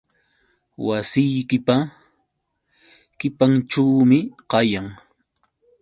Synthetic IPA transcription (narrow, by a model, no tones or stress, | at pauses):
wasɪjkɪpa | kɪpaŋʈ͡ʂawmɪqɑjaŋ